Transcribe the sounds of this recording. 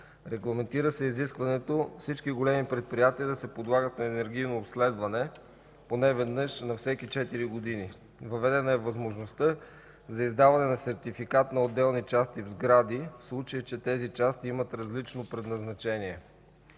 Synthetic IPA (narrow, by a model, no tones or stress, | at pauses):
ɾɛɡlˠɐmɛnt̪iɾəsɛiziskvɐnɛt̪ofsit͡ʃkiɡolɛmipɾɛt̪̚pɾijat̪iəd̪ɐsɛpod̪lˠaɡət̪nɐɛnɛɾɡ̟ijnoːpslɛd̪vɐnɛ | ponɛvɛd̪nɤʃnɐfsɛkit͡ʃɛt̪iɾiɡod̪ini | vɐvɛd̪ɛnəɛvɐzmoʒnost̪ɤ | zɐizd̪avɐnɛnɐsɛɾt̪ifikat̪nɐod̪ːɛlˠnit͡ʃast̪ivzɡɾad̪ifslˠut͡ʃəjət͡ʃɛt̪ɛzit͡ʃast̪iimɐt̪ɾɐzlit͡ʃnopɾɛd̪nɐznɐt͡ʃɛniɛ